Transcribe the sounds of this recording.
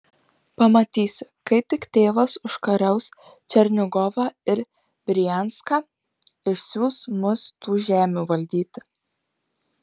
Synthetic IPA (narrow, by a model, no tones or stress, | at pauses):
pɐmɐt̪ʲiːsʲkɐɪt̪ʲɪkt̪ʲeːʋɐsʊʃkɐɾʲɛʊs | t͡ʃʲɛɾʲnʲʊɡɔʋɑːɪɾ | bʲɾʲɪjɛnskɑː | ɪʃʲsʲuːsmʊst̪uːʒʲæːmʲuːʋɐlʲd̪ʲiːt̪ʲ